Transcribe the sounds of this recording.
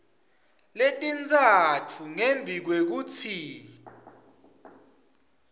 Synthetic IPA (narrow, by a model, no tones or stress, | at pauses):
letʼint͡sʼatʰuŋembʱik̬wek̬ut͡sʰi